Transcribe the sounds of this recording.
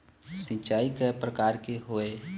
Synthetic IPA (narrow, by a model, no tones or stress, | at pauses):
sɪ̃t͡ʃaːikepɾəkaːɾkeɦoːe